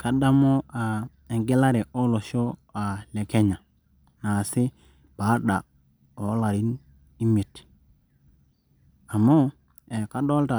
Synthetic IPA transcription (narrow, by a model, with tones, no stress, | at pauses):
ka˨da˦mo˦a˨ | e˨ŋɡe˦la˦ɾe˨ʔo˦lo˨ʃo˦a˨le˨ke˦ɲa˨ | na˨si˦ | b̥a˨˦ɗa˨ | o˨˦la˨ɾi˦n | i˦mi˨t | a˨mːo˦ | e˨ka˦ɗo˦lta˨